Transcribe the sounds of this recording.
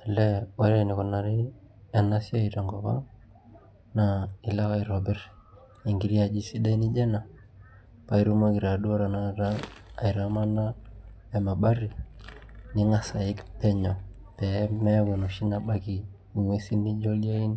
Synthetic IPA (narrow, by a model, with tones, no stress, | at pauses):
ɛ˨lɛ˦wa˦ɾɛ˦˨ni˨kɔ˨na˨ɾi˦a˨na˦si˦a˦i˨ta˨ŋɡɔ˨βa̰˦ | nai˨la˦ka˦iɾɔbɛ˦ɾ | i˨ŋɡi˨ɾi˦a˨d͡ʒi˨si˦ɗa˦i˦ni˦d͡ʒɛ˦na˨ | pa˦i˦ɾu˦ma˦ki˨ɾa˨ɗu˦ɔ˦ɾa˨na˦ɾaː˦˨i˨ɾama˦na˦ | ɛ˨ma˨ɓa˦ɾi˨ | ni˦ŋa˦sa˨i˦kpɛ˦ɲɔ˨pɛ˨˦mɛ˦ku˨nu˨ʃi˦na˦ɓa˦ki˨ | i˨ŋwe˦si˦ni˦d͡ʒɔ˦li˦a˦i˦ni˦